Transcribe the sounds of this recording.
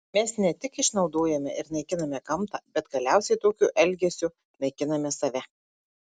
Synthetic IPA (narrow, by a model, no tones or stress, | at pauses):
mʲɛsnʲɛt̪ʲɪkɪʃnɒʊd̪oːjɛmʲɛʔɪɾnʲɐɪkʲɪnɐmʲɛkɐmt̪ɑbʲɛt̪ɡɐlʲæˑʊsʲɛɪt̪oːkʲʊʔɛlʲɡʲɛsʲʊ | nɐɪkʲɪnɐmʲɛsɐʋʲɛ